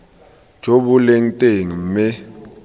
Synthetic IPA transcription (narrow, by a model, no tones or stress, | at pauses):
d̥ʒ̥ʱobʊleŋ̩tʼeŋ̩m̩mɪ